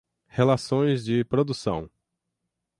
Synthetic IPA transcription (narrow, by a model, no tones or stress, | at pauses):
helasõj̃zd͡ʒɪpɾod̪usɐ̰̃w̃